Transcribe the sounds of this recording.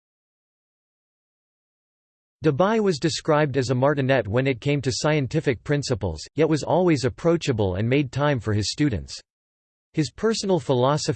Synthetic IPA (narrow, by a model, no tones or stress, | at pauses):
d̥ɨbaɪwʌzdɨskɹaɪb̚dɨzəmɑɹʔɨnɛt̚wɨ̃nɨt̚kʰẽɪ̃mtɨsaɪɨ̃ntʰɪfɨk̚pʰɹ̥ɪ̃nsəpl̩ˠz̥jɛt̚wʌzɔ̰lˠwizɨpʰɹ̥oʊt͡ʃɨbl̩ˠə̰̃nmeɪd̚tʰãɪ̃ɱfə˞ɨz̥stʉdⁿn̩ts | hɨz̥pʰɜ˞sn̩l̩ˠfəlɑsɨ